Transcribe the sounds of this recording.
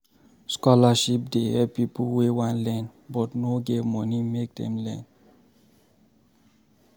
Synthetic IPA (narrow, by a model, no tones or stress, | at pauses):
skɔlaʃip̚dehɛpipəlwewãnlɛ̃nbɔtnoɡemɔnimek̚d̪ɛ̰̃mlɛ̃n